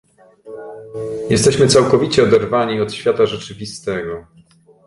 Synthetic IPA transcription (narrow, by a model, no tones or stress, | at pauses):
jɛst̪ɛɕmɘt̪sawkɔvʲit͡ɕɛɔd̪ɛɾvaɲiɔt̪ɕfʲjat̪aʐɛt͡ʂɘvʲist̪ɛɡɔ